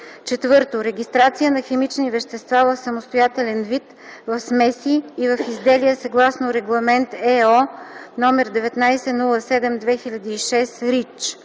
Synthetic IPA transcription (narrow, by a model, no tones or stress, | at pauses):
t͡ʃɛt̪vɤɾt̪oɾɛɡʲist̪ɾat̪sijənɐxɛmit͡ʃnivɛʃt̪ɛst̪vavɐfsɐmost̪ojat̪ɛlɛnvit̪ | vɐfsmɛsiːvɐfizd̪ɛliɛsɐɡlˠasnoɾɛɡlˠɐmɛnt̪ɛɔnɔmɛɾd̪ɛvɛt̪najsɛnulˠəsɛd̪ɛmd̪vɛxilʲɐd̪iːʃɛsɾit͡ʃ